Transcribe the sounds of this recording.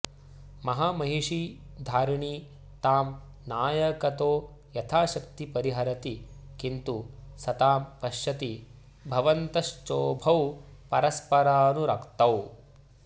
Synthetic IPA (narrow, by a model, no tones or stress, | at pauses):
mɐɦamɐɦiʂi | d̪ʱaːɾɳiː | t̪aːm | naːjɐkɐt̪oː | jɐt̪ʰaːʃɐkt̪ipɐɾiɦɐɾɐt̪ikint̪usɐt̪aːmpɐʃjɐt̪i | bʱɐʋɐnt̪ɐʃt͡ʃoːbʱɐwpɐɾɐspɐɾaːnuɾɐkt̪ɐw